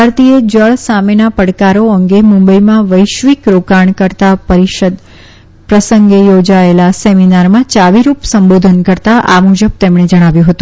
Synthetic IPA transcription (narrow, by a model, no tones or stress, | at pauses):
aɾt̪ied͡ʒəɭsamenapəɽkaɾoəŋɡemũmbəimãʋəjʃʋikɾokaɳkəɾt̪apəɾiʃəd̪ | pɾəsəŋɡejod͡ʒaelaseminaɾmãt͡ʃaʋiɾupsəmbod̪ʱənkəɾt̪aʔa̰mud͡ʒəb̚t̪emɳed͡ʒəɽ̃aʋjũɦət̪ũ